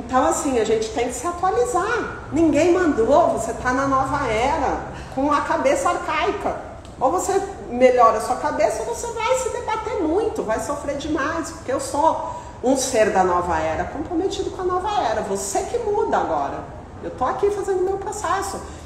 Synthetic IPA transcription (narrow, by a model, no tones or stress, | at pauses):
ẽt̪ɐ̃w̃asĩɐʒẽnt͡ʃɪ̥t̪ẽj̃kɪ̥sɪat̪ualiza | nĩŋɡẽj̃mɐ̃nd̪ovoset̪anɐnɔvɐɛɾɐ | kõɐkabesɐaɾkajkɐ | ovose | meʎɔɾɐsuɐkabesɐvosevajsɪd̪ebat̪eɾmũj̃t̪ʊvajsofɾeɾd͡ʒɪmajspʊɾkeewso | ũseɾd̪ɐnɔvɐɛɾɐkõpɾomet͡ʃid̪ʊkõɐnɔvɐɛɾɐvosekɪmud̪ɐaɡɔɾɐ̰ | ewt̪oakifazẽnd̪ʊmewpɾosɛsʊ